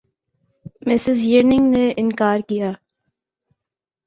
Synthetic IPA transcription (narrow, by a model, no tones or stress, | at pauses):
mɪsɪzjəɾnɪ̃ŋɡneʔɪ̃nkaːɾkijaː